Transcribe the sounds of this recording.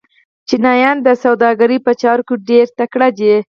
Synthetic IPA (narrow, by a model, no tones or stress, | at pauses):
t͡ʃinɑjɑnd̪əsawd̪ɑɡaɾipət͡ʃɑɾkuɖeɾt̪akɽad͡ʒe